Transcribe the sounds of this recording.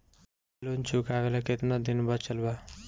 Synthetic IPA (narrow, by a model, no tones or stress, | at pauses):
lont͡ʃʰukaʋelakɪt̪nad̪inbət͡ʃəlba